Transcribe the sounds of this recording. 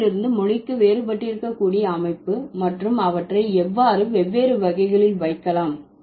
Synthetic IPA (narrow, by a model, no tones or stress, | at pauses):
ɪɾɯnd̪ɯmʊɻɪkːɯʋeːɾɯpɐʈːɪɾɯkːɐkːuːɽɪjɐːmɐɪpːɯmɐʈrɯmɐʋɐʈrɐɪɛʋːaːɾɯʋɛʋːeːɾɯʋɐɣɐɪɣɐɭɪlʋɐɪkːɐlaːm